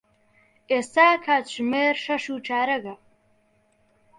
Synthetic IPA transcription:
eːsaːkʰaːt͡ɕʰmeːrʂɐʂuːʈ͡ʂʰaːɾɐɣɐ

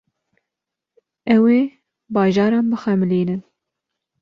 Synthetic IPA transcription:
ɛweː | bɑːʒɑːɾɑːnbɨxɛmɨliːnɨn

